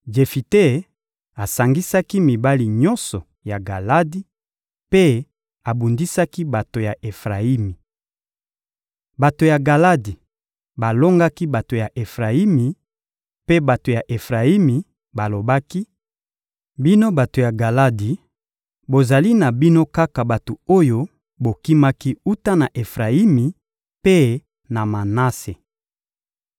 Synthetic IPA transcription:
d͡ʒe˨fi˨te˦˨ | a˨sa˨ŋɡi˦sa˦ki˦mi˨ba˦li˨ɲɔ̃˦nsɔ˨ | ja˨ɡa˨la˦di˦ | pe˦ | a˨bu˨ndi˦sa˦ki˦ba˨to˨ja˨ʔe˨fʁa˨i˦mi˨ | ba˨to˨ja˨ɡa˨la˦di˨ | ba˨lo˦ŋɡa˦ki˦ba˨to˨ja˨ʔe˨fʁa˨i˦mi˨ | pe˦ba˨to˨ja˨ʔe˨fʁa˨i˦mi˨ | ba˨lo˨ba˦ki˦ | bi˦no˦ba˨to˨ja˨ɡa˨la˦di˨ | bo˨za˨li˦na˨bi˦no˦ka˦ka˨ba˨to˨o˦jo˦ | bo˨ki˦ma˦ki˦u˦ta˦na˨ʔe˨fʁa˨i˦mi˨ | pe˦ | na˨ma˨na˦se˨

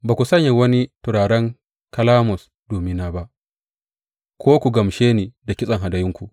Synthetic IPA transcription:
baː˨kʷu˨sɐ˦ɲja˨wɐ˦ni˦tʊ˨ɾaː˨ɽɛ˦ŋ | kɐ˦laː˦mʊ˨s | doː˨mɪ˦naː˨ba˦ʔ | kʰʷoː˦kʷu˨ɡɐ˨mʃeː˦niː˨da˨kʲɪ˦sʼɐ˨ŋɦa˨da˨jɪ˦ŋkʷu˨

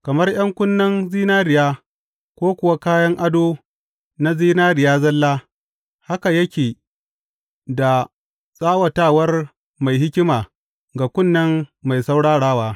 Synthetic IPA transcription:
kɐ˨mɐ˦rj̰ɐ˦ŋkʷʊ˦nːɐ˦nziː˦naː˦ɾɪ˨jaː˦ | kʷoː˦kʷʊ˨wa˦kaː˦jɐ˦ŋʔa˦doː˦ | na˦ziː˦naː˦ɾɪ˨jaː˦zɐ˦lːaː˦ | ha˦ka˨jɐ˦kʲeː˨ | da˨ | sʼaː˦wɐ˨taː˦˨wɐ˦r | ma˨jɦɪ˦kʲɪ˦maː˨ | ɡa˨kʷʊ˦nːɐ˦ŋːa˨jsa˦wɽaː˦ɽaː˦waː˦

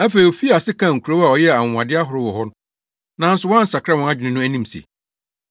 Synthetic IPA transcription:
æ˦fe˨i˨o˨fi˦a˨sɪ˦kʰã˨ŋ̩˨kʰu˨ɾo˦wa˨ɔ˨jɛ˦˨a˨ŋ˨ã˨dɪ˦a˦ɦʊ˨ɾɪ˦wɔ˨hɔ˦n˦ | nã˨n̩˦sʊ˨wɔ̃˦n̩˨sa˨kʰɾa˦wɔ̃˨a˦˨d͡ʑᶣɪ˨nɪ̃˦nʊ̃˦æ˦nĩ˦msḛ˨

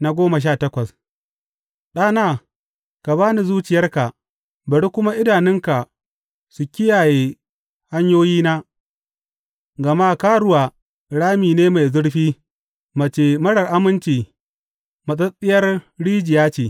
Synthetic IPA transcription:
na˦ɡʷoː˦mɐ˨ʃ̬aː˦˨tɐ˦kʷɐ˨s | ɗaː˦naː˦˨ | ka˨baː˦ni˨zuː˦t͡ʃɪ˨jɐ˦rka˨ | bɐ˨ɽi˦kʷʊ˦ma˦ʔɪ˦daː˨nɪ˦ŋka˨ | su˨kʲɪ˦jaː˨jeː˨ | ha˦ɲjoː˦jiː˦naː˦ | ɡɐ˨ma˦˨kaː˦ɽʊ˦waː˨ | ɽaː˦miː˨neː˦ma˨jzʊ˦ɽɸiː˦ | mɐ˨t͡ʃeː˨mɐ˦ɽɐ˨rʔa˦mɪ˦nt͡ʃiː˨ | mɐ˨sʼɐ˦sʼɪ˦jɐ˦rɽiː˦d͡ʒɪ˨jaː˦t͡ʃeː˨

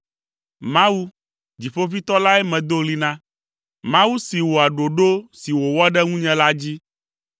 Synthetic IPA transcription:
mã˦wu˦ | d͡ʑi˨ɸo˦vi˦t̪ɔ˦la˦ɛ˦mɛ̃˨d̪o˦li˦nã˦ | mã˦wu˦si˨wo˨a˨ɖo˨ɖo˦si˨wo˨wɔ˦ɖɛ˦ŋũ˦ɲɛ̃˨la˦d͡ʑi˦

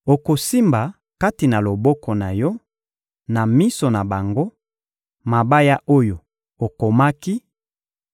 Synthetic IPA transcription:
o˨ko˨si˦mba˨ | ka˦ti˨na˨lo˨bɔ˦kɔ˨na˨jɔ˦ | na˨mi˦so˨na˨ba˨ŋɡo˦ | ma˨ba˦ja˦ʔo˦jo˨ | o˨ko˨ma˦ki˦

